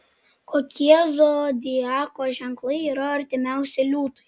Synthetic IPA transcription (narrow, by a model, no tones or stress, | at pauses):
koːkʲiɛzoːd̪ʲɪjɑːkoːʒʲɛŋklˠɐɪiːɾɐɐɾʲt̪ʲɪmʲæˑʊsʲɛɪlʲuːt̪ɐ̥ɪ